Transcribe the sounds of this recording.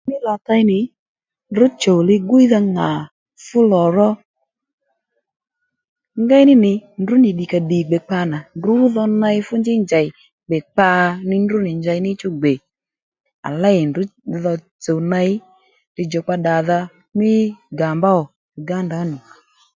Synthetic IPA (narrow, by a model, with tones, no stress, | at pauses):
mɪ˦la˨ta˧jnɪ˨ | ndʊ˨˦t͡ʃo˨lɪ˧ɡʊ˦i˦ða˧ŋa˨ | fʊ˦lɔ˨ɾɔ˦ | ŋɡa˦jnɪ˦nɪ˨ndʊ˨˦nɪ˨ɗi˨ka˧di˨ɡ͡bɛ˨k͡pa˧na˨ndu˦ðɔ˧na˧ɪ˦fʊ˦nd͡ʒɪ˦nd͡ʒa˨ɪ˨ | ɡ͡bɛ˨k͡pa˧nɪ˦ndʊ˦nɪ˨ɲd͡ʒa˧jnɪ˦t͡ʃʊ˦ɡ͡be˨ | a̰˨la˦ɪ˨ndʊ˦ðɔ˧ | t͡so˨na˧ɪ˦ | tɪ˧d͡ʒɔ˨k͡pa˧ɗa˨ða˧ | mɪ˦ɡa˨mba˦ɔ˨ | ɡa˦nda˨˦nu˨